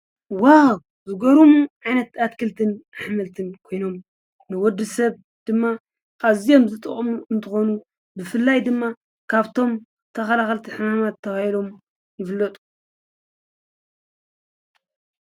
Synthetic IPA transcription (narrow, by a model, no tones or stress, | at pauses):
waw | zɨɡoɾumuʕajnɐt̪at̪kʰɨlt̪ʰɨnaħmɐlt̪ʰɨnkʰo̞jno̞m | nɨwɔd̪ːɨsɐβ | d̪̥ɨmːa | kʼazijo̞mzɨt̪ʼɨ̰χʼɐmuɨnt̪ʰɨxo̞nu | bɨfɨlːajd̪ɨmːa | kʰaβt̪ʰo̞m | t̪ʰɐxɐlaxɐlt̪ʰiħɨmamat̪ʰːɐβahilo̞m | jɪfɨlːɐt̪ʼu̥